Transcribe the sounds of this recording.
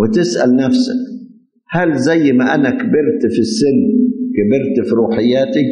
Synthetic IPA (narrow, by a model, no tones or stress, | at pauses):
wɪt̪ɪsʔa̰lnafsa̰k | halzajːmaʔanakabɪɾt̪fisːɪnːkabɪɾt̪fiɾuːħɪjːaːt̪ɪk̚